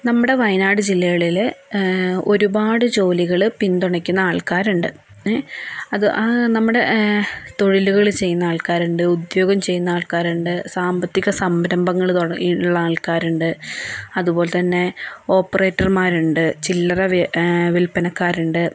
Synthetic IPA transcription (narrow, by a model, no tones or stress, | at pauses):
nɐmːuɽe̞ʋɐjnaːɽɨd͡ʑilːɐɣɐɭil | o̞ɾubaːɽɨt͡ɕo̞ːliɣɐɭpint̪uɳɐkʲːunːɐaːɭkaːɾuɳɖɨ | ɐðɨʔnɐmːuɽe̞t̪o̞ɻiluɣɐɭt͡ɕe̞jːunːɐaːɭkaːɾuɳɖɨud̪jo̞ːɡɐmt͡ɕe̞jːunːɐaːɭkaːɾuɳɖɨsaːmbɐt̪ːiɣɐsɐmbɐɾɐmbɐŋːɐɭt̪uɐiuɭːɐaːɭkaːɾuɳɖɨɐðubo̞ːlet̪ɐnːe̞o̞ːpːɐre̞ːtːɐrmaːɾuɳɖɨt͡ɕilːɐrɐʋʋilpːɐnɐkːaːɾuɳɖɨ